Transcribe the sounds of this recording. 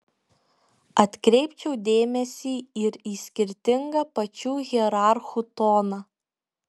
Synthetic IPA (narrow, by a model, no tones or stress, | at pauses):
ɐt̪ʲkɾʲɛɪpʲt͡ʃʲɛʊd̪ʲeːmʲɛsʲiːɪɾiːsʲkʲɪɾʲt̪ʲɪŋɡɐpɐt͡ʃʲuːɣʲiɛɾɑˑɾxut̪oːnɑ